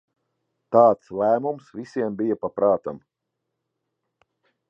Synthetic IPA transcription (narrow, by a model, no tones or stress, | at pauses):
t̪ɑːt̪slæːmumsvisʲiɛmbijɐpapɾʔaːt̪a̰m